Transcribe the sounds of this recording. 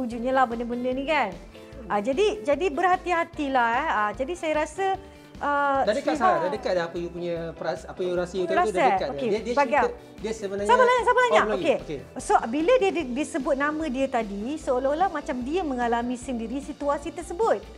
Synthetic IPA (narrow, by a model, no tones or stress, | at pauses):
ud͡ʒut̪̚ɲalahbəndəbəndənĩkan | ad͡ʒadid͡ʒadibərhat̪iɦat̪ilahɛəd͡ʒadisajaɾasə | ʔədadəkasaadadəkat̪̚laapəjupuɲəpɾasapəjuɾasəjut̪aɾassaəatokediəbɡiə | diəsəbənasabalaɲaksabalaɲakokeokesobilədiədidiəsəbʊt̪̚namə̃diət̪adisəolɔhlahmat͡ʃamdiəmə̃ŋalamĩsəndiɾisit̪uasit̪ərsəbʊt̪̚